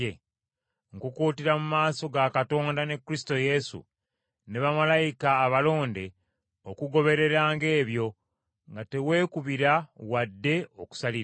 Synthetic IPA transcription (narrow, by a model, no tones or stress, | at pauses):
e | ŋkukuːtiɾamumaːso̞ɡakato̞ːndane̞kːuɾisi̥to̞je̞sṵ | ne̞βamalajikaːβalo̞ːnde̞ | okuɡo̞βe̞ɾe̞ɾaːŋɡe̞ːβjo̞ | ŋɡate̞we̞ːkuβiɾawadːe̞o̞ku̥saliɾ